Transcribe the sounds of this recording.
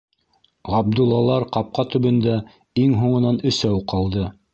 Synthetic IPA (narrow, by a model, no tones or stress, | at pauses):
ʁɑb̚d̪ulˠːɑlˠɑɾqɑp̚qɑt̪ɵ̆βɘ̆nd̪æ | iŋɦuɴɤ̆nɑnɵ̆sæwqʰɑlˠd̪ɤ